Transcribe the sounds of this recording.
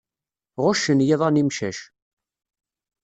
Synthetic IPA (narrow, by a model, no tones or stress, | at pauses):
ʁʊʃənjɪðˤɑnimʃæ̰ʃ